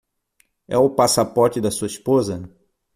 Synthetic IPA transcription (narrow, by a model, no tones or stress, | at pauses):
ɛ̰ʊpasapɔɾt͡ʃɪd̪ɐsuɐispozɐ